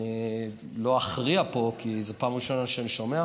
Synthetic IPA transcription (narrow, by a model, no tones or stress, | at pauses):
lo̞aχʁiapo̞kizepaːmʁiʃo̞naʃeaniʃo̞mea